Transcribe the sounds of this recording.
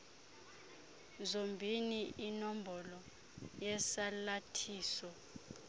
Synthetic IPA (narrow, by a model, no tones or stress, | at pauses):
zombʱiniʔinom̩bɔlɔ | jɛsalatʰiːsɔ